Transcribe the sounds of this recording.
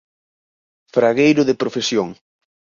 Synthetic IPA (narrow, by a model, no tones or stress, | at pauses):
fɾaɣejɾʊðepɾofesjoŋ